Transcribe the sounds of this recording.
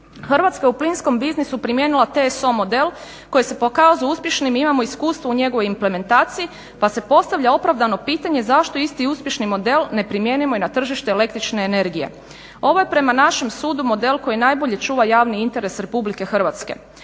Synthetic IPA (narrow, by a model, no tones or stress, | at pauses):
xr̩ʋat̪skauplinsko̞mbiznisupɾimje̞nilˠat̪eso̞mo̞d̪e̞l | ko̞jese̞po̞kazujuspje̞ʃnimimamo̞iskuːst̪ʋouɲe̞ɡoʋo̞jimple̞me̞nt̪aːt̪sii | pase̞po̞st̪aʋʎao̞pɾaʋd̪ano̞piːt̪aɲe̞zaʃt̪o̞ist̪iuspje̞ʃnimo̞d̪e̞lne̞pɾimje̞ːnimo̞inat̪r̩ʒiʃt̪eːle̞kt̪ɾit͡ʃneːne̞ɾɡije̞̰ | o̞ʋo̞jepɾe̞manaʃe̞msuːd̪umo̞d̪e̞lko̞jinajbo̞ʎe̞t͡ʃuːʋajaːʋniint̪e̞ɾe̞sɾe̞publike̞xrʋat̪ske̞̰